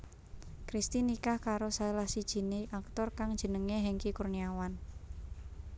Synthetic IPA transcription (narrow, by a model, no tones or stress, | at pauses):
kɾist̪inikahkaɾosaelahsid̥ʒ̥i̤neʔakt̪ɔrkaŋd̥ʒ̥ə̤nəŋeɦeŋkikurniawan